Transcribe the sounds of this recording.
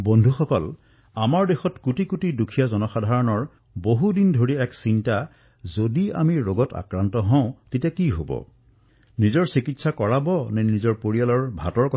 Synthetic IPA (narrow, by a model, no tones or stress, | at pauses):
bondʱuxɔkɔl | amaɹdexɔtkutikutidukʰijazɔnɔxadʱaɹɔnɔɹ | boɦudindʱoɹiɛksinta | zodia̰miɹoɡɔta̰kɹantɔɦɔ̃ʊ̃tetijakiɦobɔ̰ | nizɔɹsikitsakɔɹabɔnɛnizɔɹpoɹijalɔɹbʱatɔɹkɔ